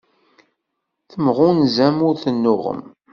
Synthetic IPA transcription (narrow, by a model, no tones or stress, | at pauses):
θəmʁʊnzæmʊɾθənːʊʁə̰m